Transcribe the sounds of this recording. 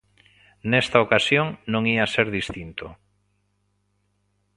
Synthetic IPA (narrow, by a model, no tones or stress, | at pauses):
nest̪aokasjoŋnõŋiaseɾðist̪int̪o